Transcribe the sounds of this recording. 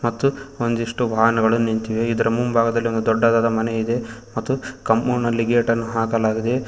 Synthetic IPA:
mɐt̪ːuond̪iʂʈuʋaːɦɐnɐɡɐɭunint̪iʋeid̪ɐɾɐmumbʱaːɡɐd̪ɐlːio̞nd̪ud̪ɔɖːaːd̪aːd̪ɐmɐneid̪e̞mɐt̪ːukɐmuːnɐliɡeːʈɐnːuɦaːkɐlaːɡid̪e̞

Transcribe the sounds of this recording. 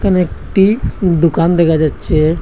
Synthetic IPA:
kanekʈid̪ukand̪ekʰad͡ʒatːʃʰe

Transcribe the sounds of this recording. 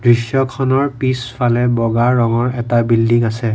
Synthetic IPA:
dɹisjɔkʰɔnɔɹpisfʰalɛbɔɡaɹɔŋɔɹɛtabildiŋasɛ

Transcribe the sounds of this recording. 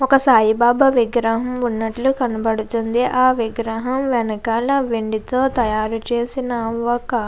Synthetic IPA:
ɔkɐsaːjibaːbɐʋiɡɾɐɦɐmunːɐʈlukɐnɐbɐɽut̪und̪iʔaːʋiɡɾɐɦɐmʋɛnɐkaːlɐʋeɳɖit̪o̞ːt̪ɐjaːɾut͡ʃe̞ːsinɐʋɔkɐ

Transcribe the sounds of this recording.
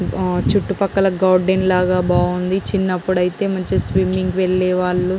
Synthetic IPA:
t͡ʃuʈːupɐkːɐlɐɡaːɾɖenlaːɡaːbaːɡund̪it͡ʃinːɐpːuɽɐjit̪e̞ːmɐɲt͡ʃesʋimːiŋɡʋeɭːɛːʋaːɭːu

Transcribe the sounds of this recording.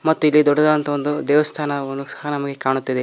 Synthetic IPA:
mɐt̪ːuilːid̪ɔɖːɐd̪ɐɐnt̪ɐond̪ud̪ɛːʋɐst̪ʰaːnɐond̪usɐ̥hɐnɐmɐɡekaːɳut̪ːid̪e

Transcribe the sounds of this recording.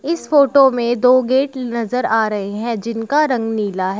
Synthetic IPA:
ɪsfoːʈomẽd̪oːɡeːʈnɐzəɾaːɾɐɦeɦɛ̃d͡ʒɪnkaɾɐ̃ŋɡniːlaɦɛ

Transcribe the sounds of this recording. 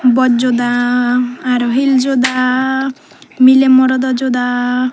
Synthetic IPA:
bɔd͡ʒod̪aː | ɾɔɦild͡ʒod̪a | milemɔɾɔd̪ɔd͡ʒod̪a

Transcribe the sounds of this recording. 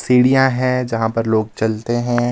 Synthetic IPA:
siːɽijãɦɛ̃ːd͡ʒɐɦãpɐɾloːɡ̚t͡ʃɐlt̪eɦɛ̃ː

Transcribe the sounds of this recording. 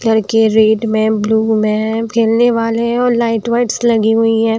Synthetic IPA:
lɐɾkeɾeːɖmẽbluːmẽkʰeːlneʋaːleɦɛ̃ɔːɾlaːɪʈʋaɪʈslɐɡiɦʊiɦɛ̃ː

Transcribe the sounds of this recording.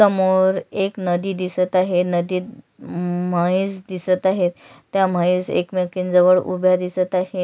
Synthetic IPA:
səmoɾeknəd̪iːd̪isət̪aɦenəd̪iː | maisd̪isət̪aɦet̪ː | jam̤aisḛkmekind͡zəʋəɭṵbʱjad̪isət̪aɦe

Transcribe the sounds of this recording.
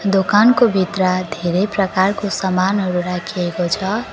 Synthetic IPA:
d̪okankobʱit̪rad̪ʱeɾejprʌkarkosʌmanɦʌɾuɾakʰiekot͡sʰʌ

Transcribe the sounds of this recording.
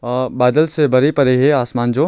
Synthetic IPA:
baːd̪əlsebɐɾepɐɾeɦeaːsmaːnd͡ʒoː

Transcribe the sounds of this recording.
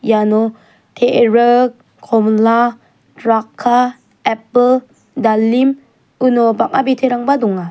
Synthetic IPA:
janɔ | tʰeɾə | kʰɔmla | dɾakʰːa | ɛpəl | dalːim | unɔbak̚abitʰeɾaŋbadɔŋa

